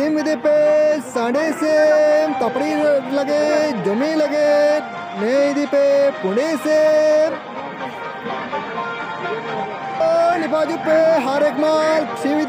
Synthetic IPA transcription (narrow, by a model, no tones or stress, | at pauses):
imʋid̪ipːesɐɖeːsemt̪ɐpːɐɽilɐɡed͡ʒɐmiːlɐɡe | ned̪ipːepuɖeːseːm | nipaːd͡ʒipːeɦaːɾekmaːlkʂiʋid̪